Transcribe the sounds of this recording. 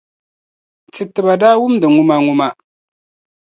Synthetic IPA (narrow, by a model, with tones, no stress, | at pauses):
tɨ˨tɨ˨ba˨daː˦wʊ˦m˦dɨ˨ŋʊ˦ma˦ŋʊ˦ma˦